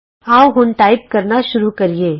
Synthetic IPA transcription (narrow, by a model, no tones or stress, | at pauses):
aːoɦʊnʈaːɪp̚kɐɾnaʃʊɾukɐɾieː